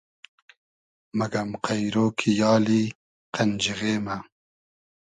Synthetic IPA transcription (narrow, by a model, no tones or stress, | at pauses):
maɡamqajɾoːkʰijɑːli | qand͡ʒiɣeːma